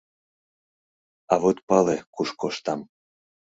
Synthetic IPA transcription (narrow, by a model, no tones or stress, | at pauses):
ɑβot̪pɑlekuʃkoʃt̪ɑm